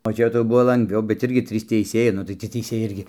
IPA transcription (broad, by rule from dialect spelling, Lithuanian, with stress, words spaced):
oː ˈt͡ʃʲɛ tɐɪ ˈbʊʋoː lˠɐŋɡˈʋʲɛʊ bʲɛt ˈɪrʲɡʲɪ ˈtʲrʲiːs tʲɛɪˈsʲeːjɛɪ ˈnʊ tɐɪ tʲiɛ tʲɛɪˈsʲeːjɛɪ ˈɪrʲɡʲɪ